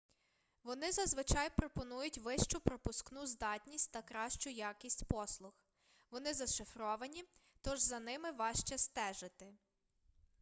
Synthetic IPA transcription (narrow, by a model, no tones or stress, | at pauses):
ʋɔnɪzɐzʋɪt͡ʃɑjpɾɔpɔnujʊtʲʋɪʃt͡ʃʊpɾɔpʊsknuzd̪ɑtʲnʲisʲtʲt̪ɐkɾɑʃt͡ʃʊjɑkʲisʲtʲpɔslˠʊx | ʋɔnɪzɐʃɪfɾɔʋɐnʲit̪ɔʒzɐnɪmɪʋɑʃt͡ʃɛst̪ɛʒɪt̪ɪ